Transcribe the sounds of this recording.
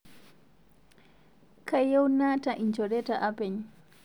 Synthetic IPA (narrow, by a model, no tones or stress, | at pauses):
kʰajɔwnaːtaʔiɲt͡ʃɔɾɛtaʔapɛɲ